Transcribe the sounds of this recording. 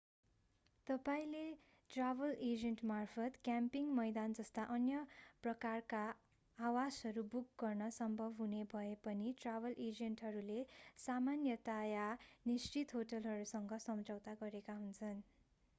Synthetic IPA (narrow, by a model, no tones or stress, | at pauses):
t̪ʌpaĩle | ʈrabʱʌled͡zenʈmarpʰʌt̪kjampiŋmʌjd̪and͡zʌst̪aʔʌnjʌprʌkarkaː | wasɦʌɾubukɡʌrnʌsʌmbʱʌbʱɦunebʱʌepʌniʈrabʌlʔed͡zenʈɦʌɾulesamanjʌt̪ajanist͡ʃit̪ɦoʈʌlɦʌɾusʌŋɡʌsʌmd͡zʌwt̪aɡʌɾekaɦunt͡sʰʌn